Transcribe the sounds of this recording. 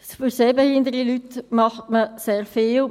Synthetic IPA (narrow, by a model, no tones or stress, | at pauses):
fyɾseːbehɪndəɾilytmɑχtməseːʁfɪːl